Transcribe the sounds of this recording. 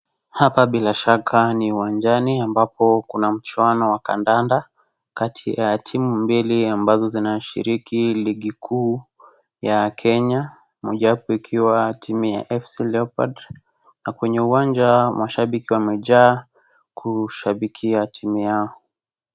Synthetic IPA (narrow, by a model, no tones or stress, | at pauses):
hapaɓilaʃakʰaniuwand͡ʒaniambapɔkunam̩t͡ʃwanɔwaka̰ndanda | katʰijatʰimumbiliambazɔzinaʃḭɾikiliɠikʰuː | jakʰɛɲa | mɔʄaapɔikʰiwatʰimija̰ʔɛfsilɛɔpad | nakwɛɲɛuwand͡ʒamaʃaɓikiwamɛʄaː | kuʃaɓikʰiatʰimijaɔ